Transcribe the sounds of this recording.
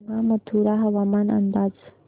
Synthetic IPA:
ŋɡamət̪ʰuɾaɦəʋamanə̰nd̪ad͡z

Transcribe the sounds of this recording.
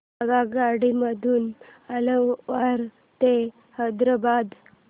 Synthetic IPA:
əɡaɡaɽiməd̪ʱuːnələʋaɾ | t̪e | həd̪ɾəbad̪

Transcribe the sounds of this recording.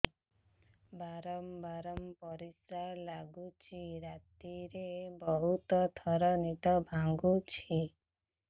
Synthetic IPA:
baɾɔmbaɾɔmpɔɾisalaɡut͡ʃʰiɾat̪iɾebɔɦut̪ɔt̪ʰɔɾɔnit̪ɔbʱaŋɡut͡ʃʰi

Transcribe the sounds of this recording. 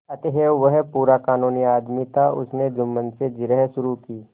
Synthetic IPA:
ɐt̪eɦeːʋəɦpuːɾakaːnuːniaːd̪mit̪ʰaʔʊ̰sned͡ʒʊmːənsed͡ʒɪɾəɦʃʊɾukiː

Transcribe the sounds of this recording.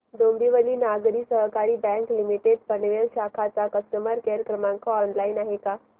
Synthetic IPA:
d̪ombʱiʋəliːnaɡɾiːsəɦəkaɾiːbɛ̃ŋklimiʈeɖ̚pənʋeɭɕakʰat͡sakəst̪əməɾkeɾkɾəmãŋkɔɔnlainaɦeka

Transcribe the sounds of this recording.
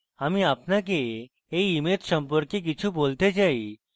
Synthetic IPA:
amiapnak̬e | eːmet̪sə̃mpəɾkjek̬it͡ɕʰubolt̪ed͡ʑai

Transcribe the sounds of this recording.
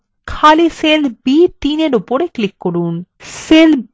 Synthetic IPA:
kʰaliselbit̪ineɾupoɾeklikːoɾunsel

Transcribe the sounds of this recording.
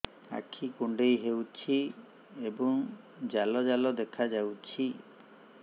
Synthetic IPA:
a̰kʰikuɳɖejɦewt͡ʃʰi | ebɔŋ | d͡ʒalɔd͡ʒalɔd̪ekʰad͡ʒawt͡ʃʰi

